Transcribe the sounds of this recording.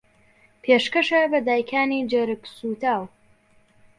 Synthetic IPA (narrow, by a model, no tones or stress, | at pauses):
pʰeːʃkɐʃɐbɐd̪aːjkʰaːnid͡ʒɐɾɨksut̪aːw